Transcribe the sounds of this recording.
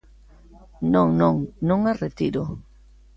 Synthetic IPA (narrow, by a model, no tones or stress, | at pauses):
nõŋnõŋnõŋaret̪iɾʊ